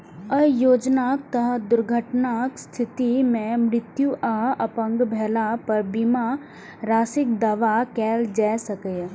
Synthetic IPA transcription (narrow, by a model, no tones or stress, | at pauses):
əjoːd͡ʒnaːk̚t̪əɦəd̪ʊɾɡʱəʈnakst̪ʰɪt̪imẽmɾɪt̪juʔaɦəpə̃ŋɡbʱɛːlapɐɾbima | ɾaːsɪk̚d̪ɐʋakɛːld͡ʒɛsəkəj